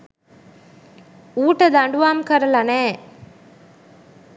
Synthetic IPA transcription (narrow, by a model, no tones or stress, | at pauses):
uːʈːɐd̪ɐɳɖuʋaːmkɐɾɐlɐneː